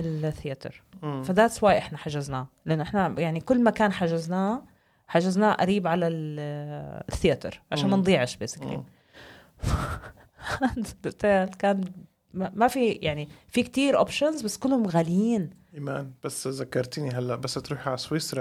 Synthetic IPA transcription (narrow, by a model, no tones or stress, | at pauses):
ɪlθɪjat̪ɪ̰ɾfad̪aːt̪swaːʔɪħnaħaʒaznaːlʔɪnːʊʔɪħnajaʕnikʊlːmakaːnħaʒaznaː | ħaʒaznaːʔa̰ɾiːbʕalal | θːɪjat̪ɪ̰ɾʕaʃaːnmɑnd̪ˤiːʕɪʃbesɪklḭm | fa | hand̪ʊt̪aːlkaːn | amafijaʕnifik̚t̪iːɾʔo̰ːpʃanzbasːkʊlːhʊmɣaliːnʔimaːnb̥asːzakːɑɾˤt̪niɦalːaʔbasːt̪ɾuːħʕalaswɪsɾˤ